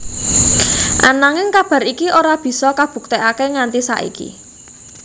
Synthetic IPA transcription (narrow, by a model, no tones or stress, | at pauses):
ʔa̰naŋɪŋkab̥a̤ɾikiʔoɾab̥i̤sɔkab̥ṳk̚t̪eʔakeŋant̪isa̰ʔḭkḭ